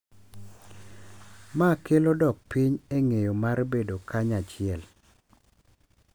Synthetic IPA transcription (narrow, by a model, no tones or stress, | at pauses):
makelodɔk̚piɲeŋejomarbedokaɲat͡ʃɪɛl